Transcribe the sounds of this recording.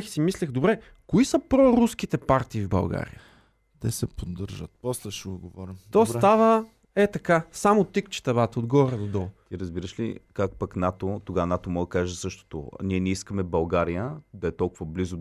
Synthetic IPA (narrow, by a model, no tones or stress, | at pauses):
xi̥simislʲɛxd̪obɾɛ | koisəpɾɔɾuskit̪ɛpaɾt̪iːvbɐ̰lˠɡa̰ɾḭjə | t̪ɛsɛpod̪ːəɾʒət̪̚pɔslɛʃɛʊɡovɔɾimt̪ɔst̪avə | ɛt̪ɐkasamot̪ikt͡ʃɛ̥t̪ɛβat̪od̪ɡɔɾɛd̪od̪ɔlˠt̪iɾəzbiɾəʃlḭkak̚pəknat̪ot̪oɡanat̪omɔɡd̪ɐkaʒɛsɤʃt̪o̥t̪o̰niɛnɛiskəmɛbɐlˠɡaɾijəd̪ɐɛt̪ɔlˠkʊvɐblizo